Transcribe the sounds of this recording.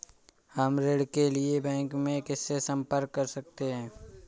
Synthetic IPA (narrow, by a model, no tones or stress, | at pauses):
həmɾeːɽkeliebɛ̃ːŋkmẽkɪsːesɐ̃mpəɾkːəɾsɐk̚t̪eɦɛ̃ː